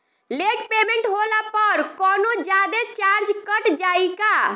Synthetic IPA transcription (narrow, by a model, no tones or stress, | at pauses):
leʈpemẽɳʈɦolapəɾkɔːnod͡ʒad̪et͡ʃaɾd͡ʒkəʈd͡ʒaika